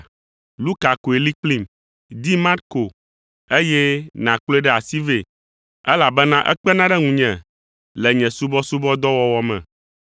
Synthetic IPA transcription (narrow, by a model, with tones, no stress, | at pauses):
lu˦ka˨ko˨e˨li˦k͡pli˦˨m | d̪i˦ma˦ɾko˨ | e˦jɛ˦nã˨k͡plo˦e˦ɖɛ˦a˨si˦ve˨ | ɛ˦la˨bɛ˦nã˦ʔɛ̰˦k͡pɛ˦nã˦ɖɛ˦ŋũ˨ɲɛ̃˨ | lɛ˨ɲɛ̃˨su˦bɔ˦su˦bɔ˦d̪ɔ˦wɔ˦wɔ˦mɛ̰̃˨